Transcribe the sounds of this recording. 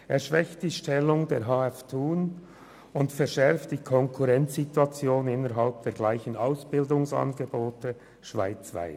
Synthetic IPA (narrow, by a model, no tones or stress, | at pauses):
eːɐʃvɛçt̚d̥iːʃtɛlːʊŋdeːɐɦɑːɛftʰuːn | ʊntfɛɾʃɛɾftd̥iːkʰɔŋkʰuʁɛnt͡sːitwɑt͡sjoːnɪnːəɾɦalp̚d̥eːɡlaɪçən̩aʊsb̥ɪldʊŋsɑ̰nɡeboːtə | ʃv̥a̰ɪt͡sva̰ɪ